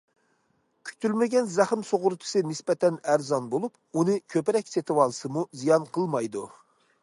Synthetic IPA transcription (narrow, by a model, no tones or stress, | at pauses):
kʲʰy̥k̚ʲt̪ʰylmɪɡʲɛnzæχɨmsoʁʊɾt̪ʰɨ̥sɨnɪspɛt̪ʰɛnæɾzɑnbolˠup | unɨkʲʰøpɪɾɛkʲset̪ʰɪwɑlˠɨsɨmuzijɑnqʰəlˠmɑjd̪u